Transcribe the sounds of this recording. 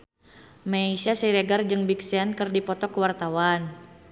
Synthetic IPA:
maisasiɾeɡard͡ʒɨŋbiksɛnkɨrdipɔt̪ɔkəwart̪awan

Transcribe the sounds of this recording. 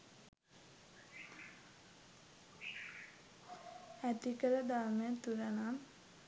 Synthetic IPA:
æt̪ikəɾəd̪aɾməjət̪uɾənam

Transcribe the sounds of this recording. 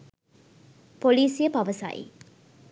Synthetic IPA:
poliːsijəpaʋəsa̰jḭ

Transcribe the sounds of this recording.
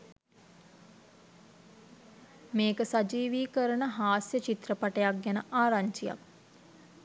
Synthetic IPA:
meːkəsad͡ʒiːʋiːkəɾənəɦaːsjət͡ʃit̪rəpaʈejak̚ɡænəʔaːɾaɲt͡ʃija̰k̚

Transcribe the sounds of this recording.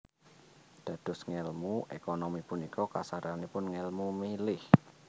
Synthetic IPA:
d̪̥ä̤d̪̥ɔ̤sŋɛlmuʔekɔnɔmipunikɔkasaɾanipʊnŋɛlmumilɪh

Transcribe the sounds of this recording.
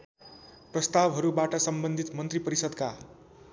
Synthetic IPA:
prʌst̪abɦʌɾubaʈʌsʌmbʌnd̪ʱit̪mʌnt̪ripʌɾisʌd̪ka

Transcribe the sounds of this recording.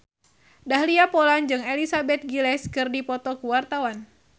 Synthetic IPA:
dahliapɔland͡ʒɨŋelisabɛt̪̚ɡilɛskɨrdipɔt̪ɔkuwart̪awan

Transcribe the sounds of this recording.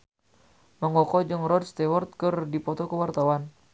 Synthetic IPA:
məŋɔkɔd͡ʒɨŋrɔd̚st̪ɛwɔrt̪̚kɨrdipɔt̪ɔkəwart̪awan

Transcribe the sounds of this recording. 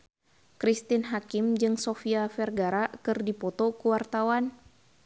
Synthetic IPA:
kɾist̪ɪnɦakɪmd͡ʒɨŋsofiafɛrɡaɾakɨrdipɔt̪ɔkuwart̪awan

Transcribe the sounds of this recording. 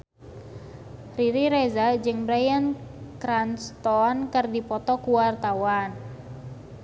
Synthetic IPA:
riɾiɾezad͡ʒɨŋbɾajankɾanst̪ɔnkərdipɔt̪ɔkuwart̪awan

